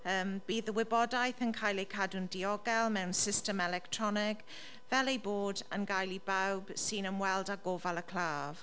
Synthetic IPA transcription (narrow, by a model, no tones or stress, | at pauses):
əːmb̥iːðəwɪbɔdajθənkʰajlejkʰadʊndiɔɡɛlˠmɛwnsɪstəmɛlɛk̚tʰɹ̥ɔnɪɡ | v̥ɛlejboːdə̰nɡajlibawb̥siːnəmwɛlˠdaɡovalˠəkʰl̥aːv̥